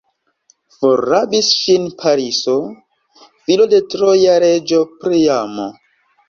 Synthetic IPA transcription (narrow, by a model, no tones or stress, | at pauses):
foɾabisʃinpʰaɾiso | filo̞de̞tɾojaɾed͡ʒo̞pɾijamo̰